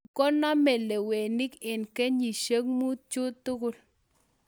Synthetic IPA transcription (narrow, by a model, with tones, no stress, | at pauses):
ko˦na˦me˨le˨we˨ni˦ke˨nke˦ɲi˨ʃe˦kmu˦t̪̚t͡ʃu˦t̪u˦ku˧l